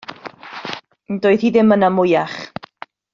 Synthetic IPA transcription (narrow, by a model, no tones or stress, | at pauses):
ndoɨðhiðɪmənamʊjaχ